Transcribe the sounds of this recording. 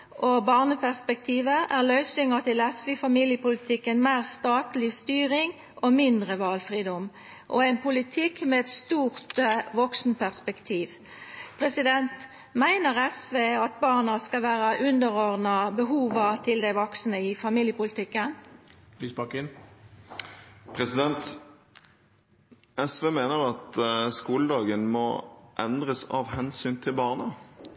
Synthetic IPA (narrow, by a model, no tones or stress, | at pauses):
ʔobɑːʁnəpæʁspɛkt̪ʰiːʋəʔæʁlœʏsʏŋət̪ɪlɛsʋeɪfɑmiːljəpʊlɪt̪ʰɪkːənmæɪʁst̪ɑːt̪lɪst̪yːʁɪŋ | ʔomɪnd̪ʁəʋɑːlfʁiːd̪ɔm | ʔɔɛɪnpʊlɪt̪ʰɪkːmɛɛt̪st̪uːʁt̪ʋɔksn̩pʰæʁspɛkt̪ʰiːʋ | pʰʁɛsɪd̪ɛnt̪ | mæɪnəʁɛsʋeːɑt̪̚bɑːʁnɑskɑʋæːʁəʔʉnd̪əʁɔʁd̪nɑbəɦuːʋət̪ʰɪld̪æɪʋɔksnəɪfɑmiːljəpʊlɪt̪ɪkːən | lysbɑkɪn | pʰʁɛsɪd̪ɛnt̪ | ɛsʋeːmeːnəʁɑt̪skuːləd̪ɑːɡənmɔ̰ʔɛnd̪ʁəsɑ̰ʋhɛnsyːnt̪ʰɪlbɑːʁnə